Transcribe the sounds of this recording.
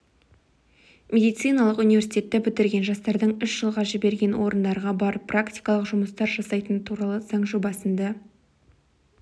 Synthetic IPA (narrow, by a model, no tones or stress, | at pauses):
mʲe̞d̪ijt̪sɨjnɑlˠəqʊnijvʲe̞ɾsijt̪ʲe̞t̪ːɪbʏt̪ɪɾɡʲe̞nʒɑst̪ɑɾd̪əɴʏʃʒ̥əlˠʁɑʒɪbe̞ɾɡʲe̞nwo̞ɾənd̪ɑɾʁɑbɑɾəpːrakt̪ʲi̥jkɑlˠəqʒʊməst̪ɑɾʒɑsɑjt̪ənt̪ʰuɾɑlˠəz̥ɑɴʒubɑsənd̪ɑ